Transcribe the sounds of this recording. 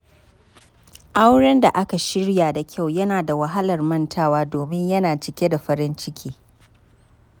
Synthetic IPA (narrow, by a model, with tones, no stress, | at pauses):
ʔa˦wɽɛ˦nda˨ʔa˦ka˨ʃɪ˦ɽjaː˨da˨kʲʰa˦˨wjɐ˦naː˨da˨wa˨ɦa˦lɐ˨rmɐ˦ntʰaː˦waː˦doː˨mɪ˦ɲjɐ˦naː˨t͡ʃɪ˨kʲe˦da˨ɸɐ˦ɾɪ˦nt͡ʃɪ˦kʲʰiː˦